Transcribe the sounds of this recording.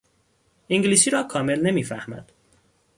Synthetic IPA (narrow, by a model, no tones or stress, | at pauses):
ʔiŋɡliːsiːɾɒːkʰɒːme̞lne̞miːfæhmæ̰d̪̥